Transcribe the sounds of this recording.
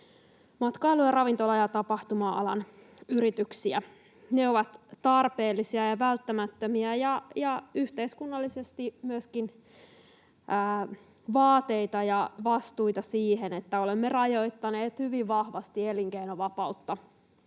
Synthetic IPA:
mɑt̪kɑiluɑrɑʋint̪olɑjɑt̪ɑpɑht̪umɑɑ̰lɑn | yɾit̪yksiæ | neoʋɑt̪t̪ɑrpe̞ːlːisiɑjɑʋælt̪ːæmæt̪ːømiæjɑjɑyht̪eiskunːɑlːisest̪imyøskin | ʔː | ʋɑːt̪e̞it̪ɑjɑʋɑst̪ujt̪ɑsiːɦenet̪ːæo̞lemːerɑjo̞jt̪ːɑneːt̪hyʋiʋʋɑhʋɑst̪ieliŋkeinoʋɑpɑut̪ːɑ

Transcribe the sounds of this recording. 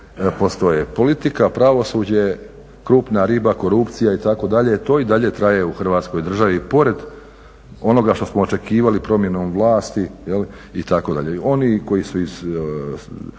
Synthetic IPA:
post̪o̞jepo̞lit̪ikapɾaʋo̞sud͡ʑe | kɾuːpnaɾibako̞ɾupt̪sijait̪ako̞d̪aʎe̞t̪o̞ːid̪aʎe̞t̪ɾaje̞uxrʋaːt̪sko̞jd̪r̩ʒaʋipo̞ɾe̞d̪ | o̞no̞ɡaʃt̪o̞smoːt͡ʃe̞kiːʋalipɾo̞mje̞no̞ːmʋlˠaːst̪ijeli | it̪ako̞d̪a̰ʎeo̞niko̞jisuiz

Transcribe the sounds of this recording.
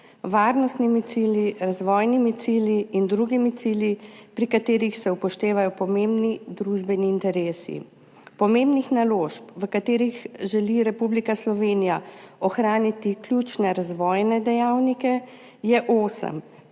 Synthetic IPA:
ʋaːɾnɔst̪nimit̪siljiɾazʋɔːjnimit̪siljiːnd̪ɾuɡimit̪siljipɾikat̪eːɾixsɛupɔʃt̪eːʋajɔpɔmembnid̪ɾuʒbɛniːnt̪ɛɾeːsḭ | pɔmeːmbnixnaloːʃpʋəkat̪eːɾixʒɛliɾɛpublikaslɔʋeːnijaɔxɾaːnit̪iklʲjut͡ʃnɛɾazʋɔːjnɛd̪ɛjaːwnikɛ | jɛʔoːsə̰m

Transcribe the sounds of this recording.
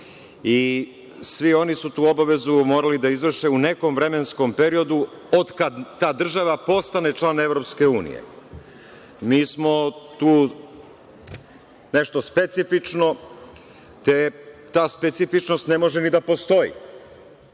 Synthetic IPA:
i | sʋio̞nisut̪uːo̞baʋe̞zumo̞ːɾalid̪aizʋr̩ʃeune̞ko̞mʋɾe̞me̞nsko̞mpeɾio̞d̪u | od̪kad̪ːaːd̪r̩ʒaʋapo̞st̪anet͡ʃlaːne̞ʋɾo̞pske̞uːnḭjḛ | miːsmo̞t̪uː | ne̞ʃt̪o̞spe̞t̪sifit͡ʃno̞ | t̪et̪aːspet̪sifit͡ʃno̞st̪ne̞mo̞ʒenid̪apo̞st̪o̞jḭ

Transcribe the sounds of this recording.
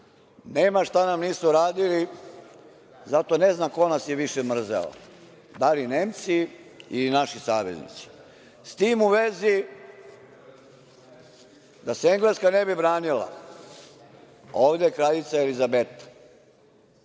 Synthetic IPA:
neːmaʃt̪anamniːsuɾaːd̪ili | zat̪one̞znako̞nasjeʋiʃemr̩zḛlo̰ | d̪alineːmt̪si | ilinaʃisaːʋḛznḭt̪si̥ | st̪iːmuʋezi | d̪aseeŋɡleskane̞bibɾaːnila̰ | o̞ːʋd̪ekɾaʎit̪saelizabet̪ḁ

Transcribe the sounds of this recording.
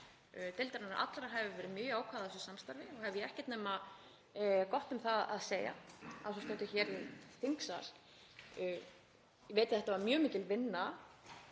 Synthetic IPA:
t̪ɪlt̪aɾanaɾʔa̰t̪lɾaɦavɪvɛːɾɪmjʏːjʏaːwkʰvaðaɛsʏsamst̪aɾvɪɔɣhɛvɪjɛhcɛt̪nɛma | kɔht̪ʏmθaa̰ðseːja̰asɔst̪awt̪ɪçɛːɾɪθiŋksaɾ̥ | jɛveːjt̪ḁθɛht̪ːavaɾmjœːmɪːcɪlvɪnːa

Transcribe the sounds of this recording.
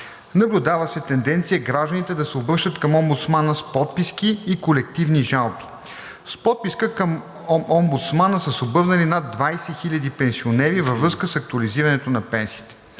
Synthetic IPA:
nɐblʲʊd̪avəsɛt̪ɛnd̪ɛnt̪sijəɡɾaʒd̪ənit̪ɛd̪ɐsɛobɾəʃt̪ət̪kɐmɔmbʊt̪smanəspɔt̪piskiːkolɛkt̪ivniʒalˠbi̥ | spɔt̪̚piskəkəm | ɔmbut̪smanəsəsobɤvnɐlinad̪ːvajsɛxilʲɐd̪ipɛnsionɛɾivəvɾɤskəsɐk̚t̪uɐliziɾɐnɛt̪onɐpɛnsiːt̪ɛ̥

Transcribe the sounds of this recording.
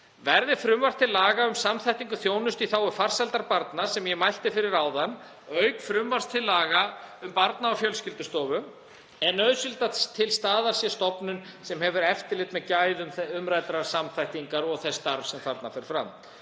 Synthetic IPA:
vɛɾðɪfɾʏmvar̥t̪ʰɪlːaːɣaʏmsamθajht̪iŋkʏθjoːwnʏst̪iθaːwʏfar̥salt̪aɾpaɾt̪nḁsɛmjɛmajl̥t̪ɪfɪɾɪɾaːwðanː | œːɥkfɾʏmvar̥st̪ʰɪlːaːɣaʏmpaɾt̪naawfjœlscɪlt̪ʏst̪ɔːvʏ | ɛnœðsʏlt̪at̪ʰɪlst̪aːðaɾ̥sjɛst̪ɔpnʏnsɛmhɛvʏɾɛft̪ɪlɪt̪mɛðcaːjðʏmθʏmɾaːjt̪ɾaɾ̥samθajht̪iŋkaɾɔɣθɛst̪aɾfsɛmfaɾt̪nafɛɾ̥fɾa̰m

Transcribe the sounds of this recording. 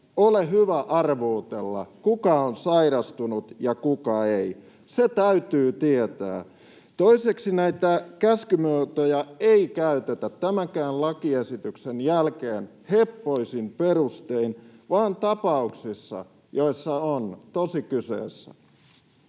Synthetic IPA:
oleɦyʋæʔɑrʋuːt̪elːɑ̰kukɑonsɑiɾɑst̪unut̪jɑkukɑei | set̪æyt̪yːt̪iet̪æ̰ː | t̪oiseksinæit̪ækæskymøːt̪ojɑeikæyt̪et̪æt̪ːæmæŋkæːnlɑkiesit̪yksenjælkeːn | hepːoisimperust̪einʋɑːnt̪ɑpɑuksisːɑ̰ | joisːɑont̪osikysḛːsːæ̰

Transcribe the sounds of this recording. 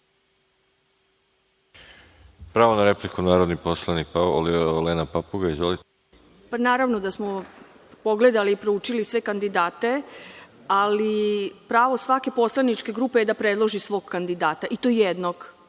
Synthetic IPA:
pɾaːʋonaɾeplikunaːɾod̪niposlˠanik̚paoolilenapapuɡaizeli | panaːɾaʋno̞d̪asmo̞ | po̞ɡle̞d̪aliːpɾouːt͡ʃilisʋe̞kand̪id̪aːt̪e̞ | alipɾaːʋo̞sʋake̞po̞slˠanit͡ʃke̞ɡɾuːpejed̪apɾe̞d̪lˠo̞ʒisʋo̞ɡkand̪id̪aːt̪aʔit̪ojed̪noɡ

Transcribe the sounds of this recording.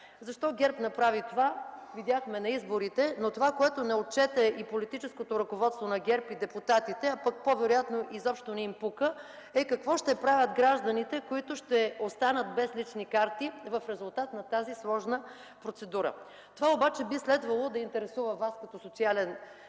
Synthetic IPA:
zɐʃt̪ɔɡʲɛɾpnɐpɾavit̪ovavid̪ʲjaxmɛnɐizboɾit̪ɛnot̪ovakoɛt̪onɛot̪̚t͡ʃɛt̪ɛipolit̪it͡ʃɛskot̪oɾɐkovɔt̪st̪vonɐɡʲɛɾpid̪ɛput̪at̪it̪ɛapək̚povɛɾojat̪noʔizɔpʃt̪onɛimpukə | ɛkɐkvɔʃt̪ɛpɾavʲəd̪ɡɾaʒd̪ɐnit̪ɛkoit̪ʊʃt̪ɛost̪anət̪̚bɛslit͡ʃnikaɾt̪ivɐfɾɛzʊlˠt̪at̪nɐt̪azislˠɔʒnə | pɾot̪sɛd̪uɾə̰ | t̪ovaobat͡ʃɛbislɛd̪vɐlˠod̪ɐint̪ɛɾɛsuvəvaskɐt̪ɔsot̪sialɛn

